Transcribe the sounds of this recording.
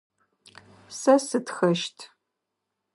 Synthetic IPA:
sɐsɨtxɐʃtʰ

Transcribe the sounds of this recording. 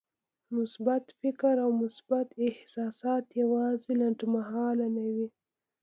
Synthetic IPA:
mʊsbat̪fɪkɾawmʊsbat̪ɪhsɑsɑt̪jawɑzelaɳʈmahɑlanawi

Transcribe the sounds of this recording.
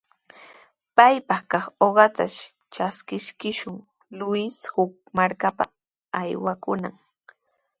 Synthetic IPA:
pajpɑχkɑχoɢɑt̪a̰ʃ | t͡ʃaskɪʃkɪʃʊŋ | lʊshʊk̚ | maɾkapa̰ | ajwakʊna̰ŋ

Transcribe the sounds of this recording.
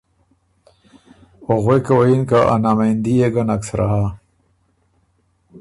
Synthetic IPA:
oɣwekawainkaʔa̰namand̪ieɡanaksɾʔa̰ɦa

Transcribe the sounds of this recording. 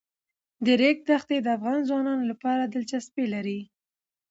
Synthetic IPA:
d̪əɾek̚d̪axt̪ed̪əafɣɑnzwɑnɑnolapɑɾad̪əlt͡ʃaspelaɾi

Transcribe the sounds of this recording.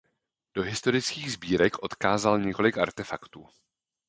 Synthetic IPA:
d̥o̞ɦɪst̪o̞ɾɪt͡skiːɣzbiːɾɛkʔo̞t̪kaːzalɲɛko̞lɪka̰ɾt̪ɛfakt̪uː

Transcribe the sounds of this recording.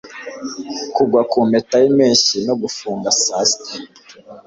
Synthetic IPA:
kuɡwakuːmetajimiːɲʃinoɡufuːŋɡasaːsti

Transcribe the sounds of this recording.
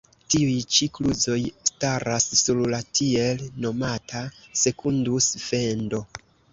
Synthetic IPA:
tiujt͡ʃikluzo̞jstaɾasːuɾlatʰie̞lno̞matʰase̞kʰundusfe̞ndo̞

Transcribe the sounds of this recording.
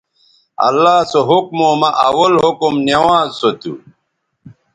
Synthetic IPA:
ɐ̰lːaːsoɦukmoːmɐʔɐwɐlɦukumnewãːzsot̪ṵ

